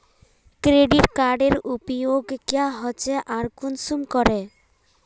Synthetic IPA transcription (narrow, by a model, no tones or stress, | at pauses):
kɾeɖiʈkaɾɖeɾupɔjoɡkjaɦɔt͡ʃeʔaɾkunsumkɔɾe